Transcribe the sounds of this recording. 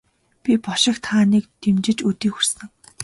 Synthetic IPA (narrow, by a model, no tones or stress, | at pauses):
pʲipɔʃɪ̆kt̪χaːniːk̚t̪ʰemt͡ɕɪ̆t͡ɕut̪iːxursɘ̆ŋ